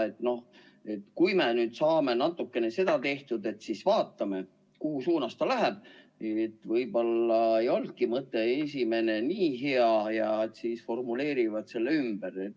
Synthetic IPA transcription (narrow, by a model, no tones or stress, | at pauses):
e̞t̪no̞h | e̞t̪ːkujme̞nyːd̪̥sɑːme̞nɑt̪ːˑukːe̞ne̞se̞d̪̥ɑt̪e̞ht̪ud̪e̞t̪sisvɑːt̪ˑːɑme̞ | kuɦusuːnɑst̪ɑlæɦeb̥̚ | et̪ːˑvɤjbo̞lːɑejo̞ld̪̚kimɤt̪ːˑe̞es̬ʲime̞ne̞niːɦe̞ɑjɑet̪siːsfo̞rmule̞ːɾivɑd̪̥se̞lːeymb̥eɾet̪ː